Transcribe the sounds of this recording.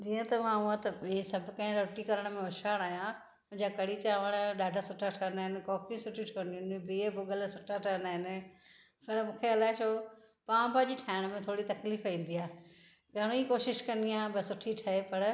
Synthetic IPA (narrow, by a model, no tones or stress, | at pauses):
d͡ʑiːə̃t̪ɐmãuãt̪ɐisɐbʱʊkɐ̃ɦɪ̃ɾoːʈikɐɾəɽ̃mẽʊʃʰaːɽ̃aːjã | mʊ̃ɦɪ̃ɲd͡ʑakɐɽit͡ɕaːʋəɽ̃ɗaːɖʱasʊʈʰaʈʰɐnɦɪnɪ̆kɔːkĩsʊʈʰiʈʰoːniʊnbiebʊɠəlsʊʈʰaʈʰanaːɦɪnɪ̆peːlamũːkʰeɐlaːɪt͡ʃʰo | pãːbaʄiʈʰaːɪɽ̃mẽt̪ʰoːɽit̪ɐkliːfaĩːn̆d̪iaː | ɡʱaɽ̃oikoːʃɪʃkɐ̃nd̪iãbɪsʊʈʰiʈʰɐɦepɐɾ